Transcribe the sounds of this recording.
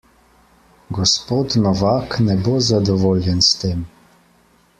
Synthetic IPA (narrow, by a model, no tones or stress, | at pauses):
ɡɔspoːt̪nɔʋaːknɛbozad̪ɔʋoːljɛnst̪eːm